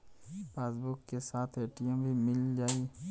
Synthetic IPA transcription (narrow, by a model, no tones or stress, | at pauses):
peːsbʊkːesaːt̪ʰeːʈijãbʱimɪld͡ʒaːiː